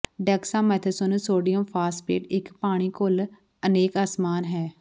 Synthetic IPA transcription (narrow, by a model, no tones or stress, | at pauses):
ɖɛksãːmɛːt̪ʰəsonəsoːɖijəmpʰaːspḛːʈɪkpaːɽ̃iːkol | əneːkaːsmaːnɦɛː